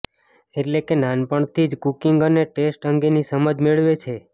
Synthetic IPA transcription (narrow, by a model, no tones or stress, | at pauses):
eʈlekenanpəɳt̪ʰid͡ʒkukiŋɡəneʈesʈəŋɡenisəməd͡ʒmeɭʋet͡ʃʰe